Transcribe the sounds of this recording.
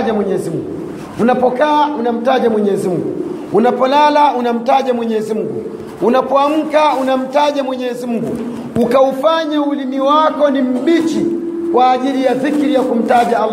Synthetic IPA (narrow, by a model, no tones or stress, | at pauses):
ʄamwɛɲɛzimuŋɡuu | unapɔkaːunam̩taʄamwɛɲɛzimuɡu | unapɔlalaunam̩taʄamwɛɲɛzimuɡu | unapɔam̩kaunam̩taʄamwɛɲɛzimuɡu | ukaufaɲauliniwakɔnim̩ɓit͡ʃi | kwaːʄilijafikɾijakum̩taʄaa